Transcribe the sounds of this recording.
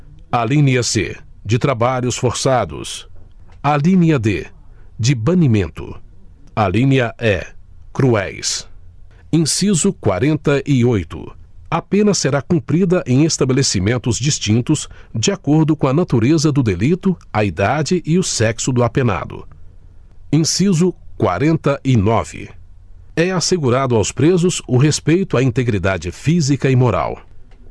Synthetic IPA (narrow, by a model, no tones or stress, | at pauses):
alĩniɐsḛd͡ʒɪt̪ɾabaʎʊsfoɾsad̪ʊ̰s | alĩniɐd̪ḛd͡ʒɪbɐ̃nimẽnt̪ʊ̰alĩniɐʔɛ̰kɾuɛ̰js | ẽsizʊkwa̰ɾẽnt̪ɐʔɪojt̪ʊ̰apẽnɐsːeɾakũpɾid̪ɐʔẽj̃est̪abelesimẽnt̪ʊzd͡ʒist͡ʃĩnt̪ʊzd͡ʒɪakoɾd̪ʊkõɐnat̪uɾezɐd̪ʊd̪elit̪ʊɐid̪ad͡ʒɪʔɪʊsɛksʊd̪ʊapena̰d̪ʊ̰ | ẽsizʊkwa̰ɾẽnt̪ɐʔɪnɔvɪ̰ | ɛaseɡuɾad̪ʊawspɾezʊsʊɦespejt̪ʊaĩnt̪eɡɾid̪ad͡ʒɪfizikɐɪmoɾa̰w